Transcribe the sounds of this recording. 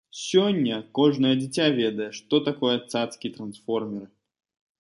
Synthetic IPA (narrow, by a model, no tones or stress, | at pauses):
sʲɔdʲːɐkɔʐnəjəd͡zʲɪt͡sʲavʲed̪əjɛʂt̪ɔt̪akɔjət̪sat̪skʲijt̪ɾɐnsfɔrmʲɪɾɨ